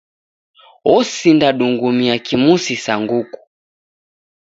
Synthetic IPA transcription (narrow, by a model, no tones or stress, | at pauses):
ɔsindaɗuŋɡumiakimusisaŋɡuku̥